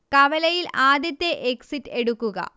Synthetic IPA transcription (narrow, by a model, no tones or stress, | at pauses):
kɐʋɐlɐjilaːd̪jɐt̪ːeʔeksitːeɽukːuɣɐ̰